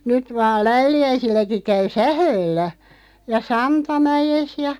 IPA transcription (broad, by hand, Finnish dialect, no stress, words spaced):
nyt ʋɑːl læyliæisilːæki kæy sæhøːlːæ jɑ sɑntɑmæjes jɑ